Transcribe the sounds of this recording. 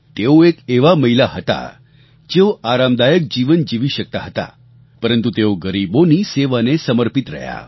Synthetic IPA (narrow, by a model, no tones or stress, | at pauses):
t̪ewekeʋaməɦilaɦət̪a̰ | d͡ʑewaɾamd̪ajək̚d͡ʑiʋənd͡ʑiʋiːɕək̚t̪aɦət̪a̰ | pəɾənt̪ut̪ewɡəɾiboniːseʋanesəməɾpit̪ɾə̰ja̰